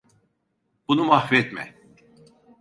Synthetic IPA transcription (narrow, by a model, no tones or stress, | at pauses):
b̥unumahvɛt̪mɛ̰